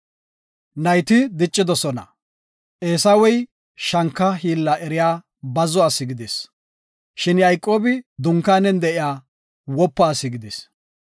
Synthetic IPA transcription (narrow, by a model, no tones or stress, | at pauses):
nɐjt̪ɪd̪ɪt͡ʃʼːɪd̪ɔsɔnɐ̰ | ʔeːsawɛj | ʃɐŋkːɐɦiːlːɐʔɛɾɪjaː | bɐzɔɐsːɪɡɪd̪ɛs | ʃɪnjɐjkʼːo̞ːbɪd̪ʊŋkːaːnɛnd̪ɛʔɪjaː | wɔpːaːsɪɡɪd̪ɛs